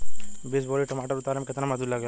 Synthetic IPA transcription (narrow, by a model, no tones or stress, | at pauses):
bɪsboːɾiʈɐmaːʈəɾʊt̪aːɾemkɪt̪namɐsd̪ullɐɡja